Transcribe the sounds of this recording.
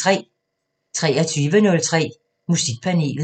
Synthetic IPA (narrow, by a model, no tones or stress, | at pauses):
ʁɛ̰ː | t͡sʰʁɛ̰ːæt͡sʰyːʋənɔ̽lt͡sʰʁɛ̰ː | musiɡ̥̚pʰæne̝̰ːl